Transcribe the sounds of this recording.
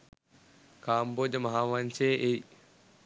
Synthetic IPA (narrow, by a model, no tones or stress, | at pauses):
kaːmboːd̪ɐmɐɦaːʋɐnt͡ʃeːʔej